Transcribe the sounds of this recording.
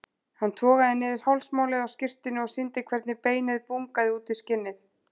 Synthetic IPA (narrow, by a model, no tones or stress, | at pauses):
hant̪ʰɔːɣaðɪnːɪːðɪɾ̥hawlsmaːwlɪðawscɪr̥t̪ɪnʏɔɣsɪnt̪ɪkʰvɛɾt̪nɪpeːjnɪðpuŋkaðɪuːt̪ɪscɪnːɪθ